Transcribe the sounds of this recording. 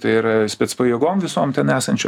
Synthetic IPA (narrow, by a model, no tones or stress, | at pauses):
t̪ɐɪɪɾɐsʲpʲɛːt̪spɐjiɛɡoːmʋʲɪsoːmtʲɛnæːsɐnʲt͡ʃʲo